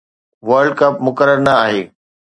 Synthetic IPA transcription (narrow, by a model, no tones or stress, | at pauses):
ʋɐɾɖkɐpmʊkəɾəɾnɐaːɦeː